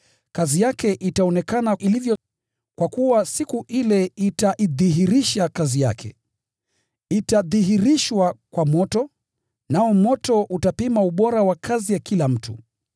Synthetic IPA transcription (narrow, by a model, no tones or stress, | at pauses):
kazijakɛʔitaɔnɛkanaʔilivjɔ | kwakuwasikuʔilɛitaʔiðiɦiɾiʃakazija̰kʰɛ̰ | itaðiɦiɾiʃwakwamɔtɔ | naɔmɔtɔʔutapimauɓɔɾawakʰazijakilam̩tṵ